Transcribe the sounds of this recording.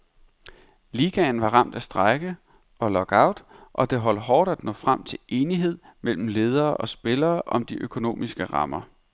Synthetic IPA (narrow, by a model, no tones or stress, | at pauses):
liɡ̥ɛnʋɑ̈ʁɑ̈m̰d̥æsd̥ʁɑɪɡ̥ə | ʔɒ̽lɒ̽ɡ̥ɑ̈ʊ̰d̥ʔɒ̽d̥e̝ɦɒ̽l̰ɦɒːd̥æd̥nɔ̰̽ːfʁam̰t͡sʰe̝le̝ːniɦe̝ð̞̰ˠ | mel̰m̩le̝ːð̞ˠɐːʔɒ̽sb̥e̝lɐːʔɒ̽md̥iʔøkʰo̝no̝̰ːmisɡ̥əʁɑ̈mɐ